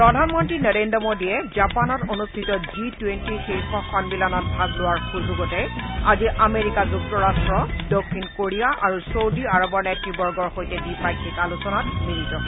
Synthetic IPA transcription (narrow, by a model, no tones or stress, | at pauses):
pɹɔdʱanmɔntɹinɔɹendɔmodiɛzapanɔtonustʰitɔzitwentixiɹxɔxɔnbilanɔt̚bʱazlʊwaɹxuzuɡɔtɛaziʔameɹikazuk̚tɔɹastɹɔdɔkʰːinkoɹijaʔaɹusodiaɹɔbɔɹnɛtːibɔɹɡɔɹxojtɛdipajkʰːikalusɔnatmiɹizɔ